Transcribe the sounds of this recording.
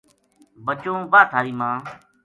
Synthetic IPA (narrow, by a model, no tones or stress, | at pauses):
bət͡ʃõːʋaːt̪ʰaːɾiːmãː